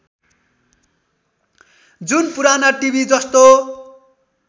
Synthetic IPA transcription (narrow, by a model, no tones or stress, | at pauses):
d͡zunpuɾanaʈibʱid͡zʌst̪o